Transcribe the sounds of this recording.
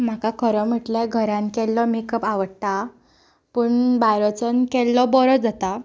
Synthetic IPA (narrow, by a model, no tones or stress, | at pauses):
m̤akakʰəɾɔm̤əʈlaɡʱəɾãnkɛlːɔmikəpaʋəɽt̪a | puːɳbajɾət͡sənkɛlːɔbɔɾɔd͡zat̪a